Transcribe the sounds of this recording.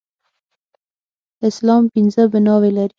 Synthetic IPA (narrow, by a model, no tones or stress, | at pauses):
ɪslɑmpinzəbɪnɑwelaɾi